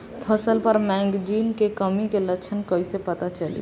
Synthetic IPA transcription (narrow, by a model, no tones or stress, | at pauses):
pʰəsəlpəɾmɛ̃ŋɡd͡ʒinkekəmikelət͡ʃʰənkəjsepət̪at͡ʃəlḭ